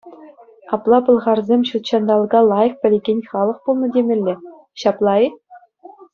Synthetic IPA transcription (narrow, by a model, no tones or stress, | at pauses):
ɑplˠɑpɤ̆lˠʁɑrzʲemʲɕut̪ɕɑnd̪ɑlˠɡɑlˠɑjɤ̆k̚pʲɘ̆lʲeɡʲenʲχɑlˠɤ̆χpulˠnɤ̆dʲemʲɘ̆lʲːɘ̆ | ɕɑplˠɑi